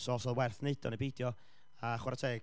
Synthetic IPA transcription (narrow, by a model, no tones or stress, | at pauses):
sɔɔsɔðwɛrθned̥ɔ̰nibeːdjɔ | aχwaɾatʰeː